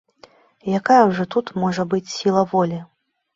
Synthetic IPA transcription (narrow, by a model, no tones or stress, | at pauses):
jakajɐwʐɔt̪ut̪mɔʐɐbɨt͡sʲsʲilˠɐvɔlʲi